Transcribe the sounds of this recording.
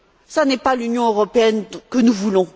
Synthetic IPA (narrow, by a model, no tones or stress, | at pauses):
sanɛpalynjɔ̃øʁɔpeɛnkənuvulɔ̃